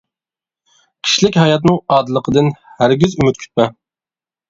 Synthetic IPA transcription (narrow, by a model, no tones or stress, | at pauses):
kʲʰi̥ʃlɪkʲɦɑjɑt̪̬nɨŋɑːd̪ɨlˠəqʰəd̪ɨnhæɾɡʲyzymyt̪̚kʲʰy̥t̪̚mɛ